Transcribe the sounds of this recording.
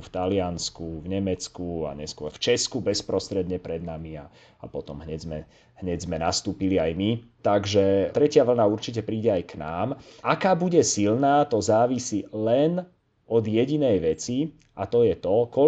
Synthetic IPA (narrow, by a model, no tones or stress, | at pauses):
ft̪alɪanskuvɲɛmɛt͡skua̰ɲɛskʊɔɾft͡ʃɛskubɛspɾɔst̪ɾɛd̪ɲɛpɾɛd̪namia̰ | apɔt̪ɔmɦɲɛɟzmɛ | ɦɲɛɟzmɛnast̪uːpiliajmit̪aɡʒɛt̪ɾɛcɪaʋl̩nauɾt͡ʃic̬ɛpɾiːɟɛajkna̰ːmakaːbuɟɛsilnaːt̪ɔzaːʋisilɛn | ɔd̪jɛɟinɛjʋɛt͡si | at̪ɔjɛt̪ɔkɔ